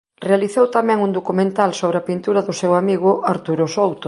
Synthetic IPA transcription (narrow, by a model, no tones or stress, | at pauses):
realiθowt̪amɛ̃ŋund̪okumẽnt̪alsoβɾɪɐpint̪uɾɐðʊsewamiɣʊʔaɾt̪uɾʊsowt̪ʊ